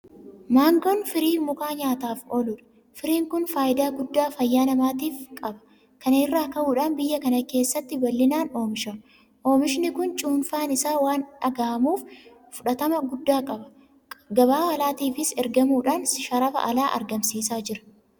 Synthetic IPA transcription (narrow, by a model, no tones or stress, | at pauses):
maːŋɡɔnfɪɾiːmʊkaːɲaːt̪aːfoːlʊᶑɐ̥ | fɪɾiːŋkʊnfaːjɪd̪aːɡʊd̪ːaːfɐjːaːnɐmaːt̪iːfkʼɐbɐ̥ | kɐneːrːaːkɐʔuːᶑaːnbɪjːɐkɐnɐke̞ːsːɐt̪ːɪbɐlːɪnaːno̞ːmɪʃɐm | ʔo̞ːmɪʃnɪkʊnt͡ʃʼʊːnfaːnɪsaːwaːnɐɡɐʔɐmuːfː | ʊᶑɐt̪ɐmɐɡʊd̪ːaːkʼɐbɐ̥ | ɡɐbaːhɐlaːt̪iːfɪsɛɾɡɐmuːᶑaːnsʃɐɾɐfɐ̰ʔɐlaːʔɐ̰ɾɡɐmsiːsaːd͡ʒɪɾɐ̥